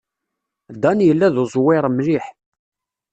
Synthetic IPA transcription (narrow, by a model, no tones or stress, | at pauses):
d̪ænjəlːæðʊzˤwɪɾˤmɾiħ